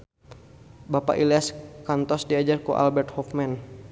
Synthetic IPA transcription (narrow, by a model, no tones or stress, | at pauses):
bapa̰ʔiliaskant̪ɔsdiad͡ʒarkuʔa̰lbɛrt̪̚hɔfman